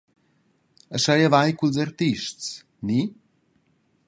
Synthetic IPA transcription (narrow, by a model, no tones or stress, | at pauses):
əʃajavajkulzart̪iʃts | ni